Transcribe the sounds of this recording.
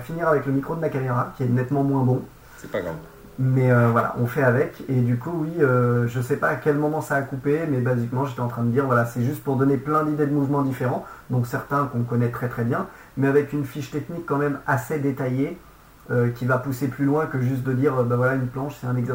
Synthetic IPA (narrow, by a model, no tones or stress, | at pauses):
finiʁavɛkləmikχod̪əmakameʁakʲiɛnɛt̪mɑ̃mwɛ̃bɔ̃ | sɛpaɡa̰ | mɛøvwala̰ʔɔ̰̃fɛavɛked̪ykuwiøʒəsɛpaːkʲɛlmɔmɑ̃saːkupemɛbazikmɑ̃ʒet̪ɛɑ̃t̪χɛ̃d̪əd̪iʁvwalasɛʒyst̪̚puʁd̪ɔneplɛ̃d̪id̪ed̪əmuvmɑ̃d̪ifeʁɑ̃d̪ɔ̃ksɛʁt̪ɛ̃kɔ̃kɔnɛt̪χɛt̪χɛbjɛ̃ | mɛavɛkynfiʃt̪ɛknikːɑ̃mɛmased̪et̪aje | økʲivapuseplylwɛ̃kəʒyst̪̚d̪əd̪iʁøbavwalaynplɑ̃ʃsɛt̪ɛ̃nɛɡzɛ